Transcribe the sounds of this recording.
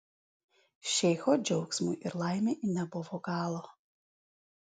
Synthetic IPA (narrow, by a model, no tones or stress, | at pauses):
ʃʲɛɪxɔd͡ʒʲɛʊksmujʔɪɾlˠɑˑɪmʲeʔinʲɛbʊʋoɡɑːlˠo